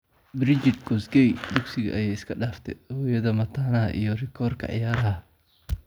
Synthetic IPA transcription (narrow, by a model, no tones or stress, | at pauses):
bɾɪd͡ʒɪd̪ɡɔsɡɛjd̪ʊɡsɪɣɐ̰ʔɐjaːɪskʰɐɗaːft̪ʰɛ̰hɔːjɐðɐmɐt̪ʰaːnɐɦɐ̰ʔḭjɔrɪkʰɔːrkʰɐ̰ʕɪ̰jaːɾɐhɐ